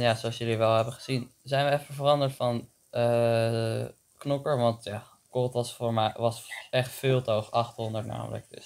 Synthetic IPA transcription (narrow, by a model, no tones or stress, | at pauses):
jaːzoɑsjɵliʋɛlˠɦɛbəχəz̥inzɛjnʋəɛfəvərɑndəɹtfɑn | ə | knɔkəɹʋɑntjaː | kɔlˠtʋɑsfʊːɹmɛjʋɑsɛχtfɪːlˠtowχɑχtɦɔndətna̰ːmə̰lə̰k̚dɪ̰s